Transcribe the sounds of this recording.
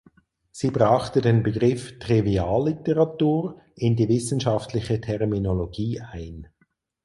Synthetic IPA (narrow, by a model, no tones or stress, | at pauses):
z̥iːbʁaχtədeːnbəɡʁɪftʁ̥iviaːlːitəʁatuːʁ | ɪndiːvɪsn̩ʃaftlɪçətʰɛʁminoloɡiːʔaɪn